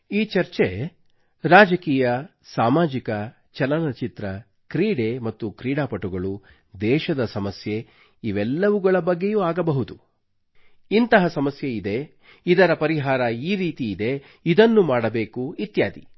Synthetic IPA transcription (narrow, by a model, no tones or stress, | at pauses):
iːt͡ʃɐɾt͡ʃe | ɾaːd͡ʒɐkiːjɐ | saːmaːd͡ʒikɐ | t͡ʃɐlɐnɐt͡ʃit̪ɾɐ | kɾiːɽemɐt̪ːukɾiːɽaːpɐʈuɡɐɭu | d̪ɛːʃɐd̪ɐsɐmɐsje̞ | iʋɛlːɐʋuɡɐɭɐbɐɡːejuːaːɡɐbɐɦud̪u | int̪ɐɦɐsɐmɐsjeid̪e̞ | id̪ɐɾɐpɐɾiɦaːɾɐiːɾiːt̪iːd̪e̞ | id̪ɐnːumaːɽɐbe̞ːkuit̪ja̰ːd̪i